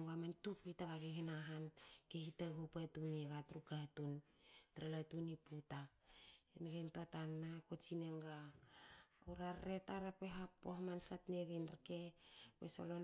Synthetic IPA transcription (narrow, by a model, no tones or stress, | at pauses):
ŋɡamantupitaɡaɡeɦenaɦankehitaɡupatuneɡatɾukatun | tɾalatuniputaenɡejntotanːakot͡ʃineŋɡaː | wɾaɾːetaɾapeɦapːoɦmansatneɡejnɾkepḛso̰lon